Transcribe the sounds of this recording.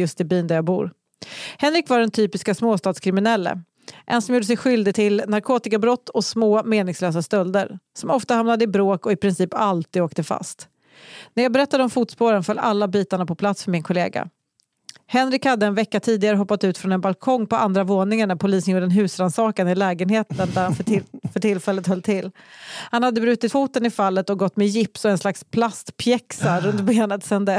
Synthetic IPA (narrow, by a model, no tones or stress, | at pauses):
jɵst̪ɪbyːnd̪æɾjɑːbṵːɾ | hɛnɾɪkvaɖɛnt̪ʰyːpɪskasmoːst̪ɑːd̪skʰɾɪmɪnɛlːə̰ | ʔɛnsɔmjuːɖəs̬ɛjɧʏld̪ɪɡt̪ʰɪlnaɾkʰoːt̪ɪkabɾɔt̪ːɔsmoːmeːnɪŋsløːsast̪œld̪əɾsɔmɔft̪ahamnad̪əɪbɾoːkɔɪpʰɾɪnsiːpalt̪ʰiːd̪oːk̚t̪əfa̰st̪ | næɾjɑːɡbɛɾɛt̪ːad̪əɔmfuːt̪spoːɾənfœlːalːabiːt̪aɳapʰɔpʰlat̪sfœɾmɪnkʰɔlḛːɡa̰ | hɛnɾɪkhad̪ːəɛnvɛkːat̪ʰiːd̪ɪɡaɾəɦɔpːat̪ʉ̟ːt̪fɾɔnɛnbalkʰɔŋːpɔʔand̪ɾavoːnɪŋəɳæpʰʊliːsənjuːɖənɦʉ̟ːsɾansɑːkanɪlɛːɡənheːt̪ənd̪æɾhanfœʈʰɪlːfɛlːət̪hœlt̪ʰɪlːhanhad̪ːəbɾʉ̟ːt̪ɪt̪fuːt̪ənɪfalːət̪ɔɡɔt̪ːmɛjɪpsɔɛnslakspʰlast̪pʰjɛksaɾɵnt̪beːnət̪sɛnd̪ɛs